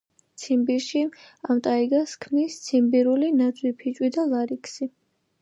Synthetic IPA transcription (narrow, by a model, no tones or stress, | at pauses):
t̪sʰimbiɾʃiamt̪ʼaiɡaskʰmnist̪sʰimbiɾulinad̪zʼwipʰit͡ʃʼwid̪alaɾikʰsi